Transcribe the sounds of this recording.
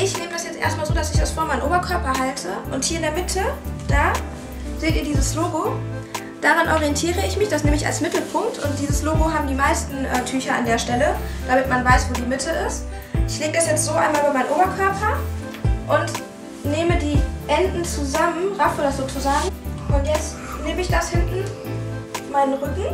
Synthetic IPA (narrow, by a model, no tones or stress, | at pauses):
ʔɪçneːmədasjɛt͡stʔḛɐstmaːlzoːdasɪçd̥asfoːɐmaɪənʔoːbɐkʰœɐpɐɦaltʰəʔʊnthiːɐɪndeːɐmɪtʰəd̥aː | z̥eːtiːɐdiːzəsloːɡo | d̥aːʁanʔɔʁiɛntʰiːʁəɪçmɪçd̥asneːməɪça̰lsmɪtl̩pʰʊŋk̚tʰʊnt̚d̥iːzəsloːɡoɦaːbm̩diːmaɪstn̩ʔɛːtʰyːçɐʔa̰ndeːɐʃtɛləd̥amɪtmanvaɪsv̥oːdiːmɪtʰəɪst | ʔɪçleːɡədɛsjɛt͡stz̥oːʔaɪnmaːlʔyːbɐmaɪənʔoːbɐkʰœɐpʰɐ | ʔʊnt | neːmədiːʔɛndn̩t͡suzamənʁafoːdɐsz̥oːt͡suzaːɡŋ̩ʔʊntjɛt͡st | neːməɪçd̥ashɪntn̩ | maɪnənʁʏkŋ̩